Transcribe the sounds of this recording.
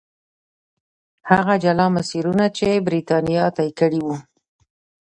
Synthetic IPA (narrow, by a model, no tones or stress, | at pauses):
haɣad͡ʒalɑmasiɾunat͡ʃebɾit̪ɑnijɑt̪ajkəɽiwu